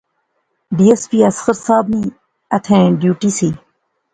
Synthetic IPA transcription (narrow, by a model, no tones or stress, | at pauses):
ɖiːespiːɐsxəɾsaːbnĩ | ɐt̪ʰẽːɖjuːʈiːsiː